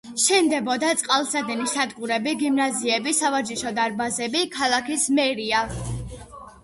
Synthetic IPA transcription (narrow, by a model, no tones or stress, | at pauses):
ʃɛnd̪ɛbɔd̪at̪sʼqʼalˠsad̪ɛnisad̪ɡuɾɛbiɡimnaziɛbisavaɾd͡ʒiʃɔd̪aɾbazɛbikʰalˠakʰismɛɾia